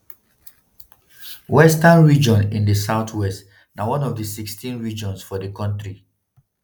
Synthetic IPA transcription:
wɛstãnɹid͡ʒɔ̃nĩndəsaʊtʰwɛst | nawɔ̃nɔvdəsikstʰĩnɹid͡ʒɔ̃nsfɔdəkɔ̃ntɹi

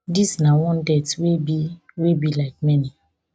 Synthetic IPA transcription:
disnawɔ̃ndɛtwebi | webilaɪk̚mɛni

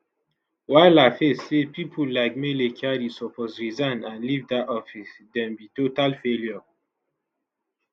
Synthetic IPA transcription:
waɪlafesːepipʰolaɪk̚melekʰaɾisɔpɔsɹizãnãnlivdaɔfisdɛ̃mbitotalfeljɔ

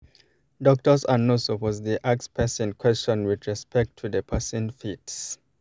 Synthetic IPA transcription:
dɔk̚tɔsanosopɔzdiʔakspʰɛsɛ̃nkʰw̥ɛst͡ʃɔ̃nwidɹɛspɛk̚tʰːuðəpʰɛsĩnfits

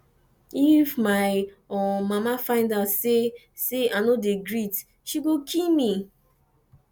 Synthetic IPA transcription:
ifmaɪ | ɔmamafãɪ̃ndatse | seanodeɡɾit | ʃiɡokʰilmi

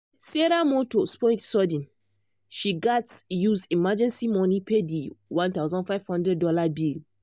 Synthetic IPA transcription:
seɾamotospɔɪtsɔdĩn | ʃiɡatsjuzdimad͡ʒɛ̃nsimɔnipediwãntawzɔ̃nfaɪv̥hɔ̃ndɹɛdːɔlabil

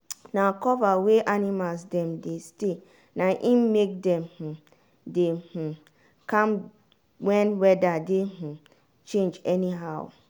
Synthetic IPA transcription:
nãkɔvaweʔanimals̬dɛ̃mdeste | nãʔĩnmek̚dɛ̃mh̩ | deh̩ | kʰãm | wɛ̃nwɛdadeh̩ | t͡ʃẽnd͡ʒɛniɦaʊ

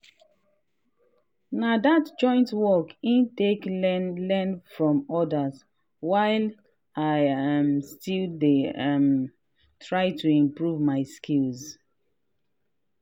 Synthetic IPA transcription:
nadatd͡ʒɔ̃ɪ̃ntwɔkĩnteknlɛnfɹɔ̃mɔdaz | waɪl | aɪãmstildem | tʰɹaɪtʰuĩmpɹuvmaɪskʰilz

